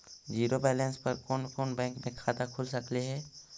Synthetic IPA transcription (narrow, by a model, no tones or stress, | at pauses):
d͡ʒiːɾobɛːlɛ̃ːnspɐɾkɔːnkɔːnbɛ̃ːŋkmẽkʰaːt̪akʰʊlsɐkliɦɛː